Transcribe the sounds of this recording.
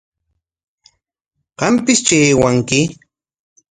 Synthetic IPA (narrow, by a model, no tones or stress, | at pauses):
ɢ̥ɑmpɪst͡ʃeːwaŋkɪ